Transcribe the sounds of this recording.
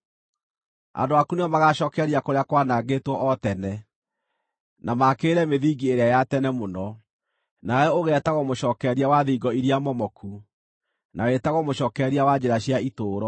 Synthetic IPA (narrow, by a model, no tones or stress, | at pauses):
a̰ndoakuneɔmaɣaɕɔːkɛɾiakoɾeakwanaɡetwɔʔɔtɛnɛ | namakeɾɛmeðiːɡieɾeajatɛnɛmonɔ | najɛoɣɛtaɣɔmoʃɔːkɛɾiawaðiɡɔiɾiamɔmɔkʰu | nawɛtaɣɔmoɕɔːkɛɾiawad͡ʑeɾaɕjaitoːɾɔ